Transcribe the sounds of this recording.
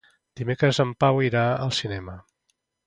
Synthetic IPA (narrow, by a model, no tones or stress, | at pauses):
d̪̥imekɾəzəmpawiɾaəlˠsinɛmə